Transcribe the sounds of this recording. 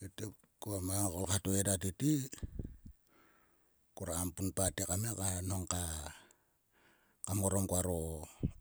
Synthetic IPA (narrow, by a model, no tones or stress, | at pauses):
ete | kuamaŋakolkatoedatiti | kuɾaampunpatekamekanoŋka | kamoɾomkuaɾo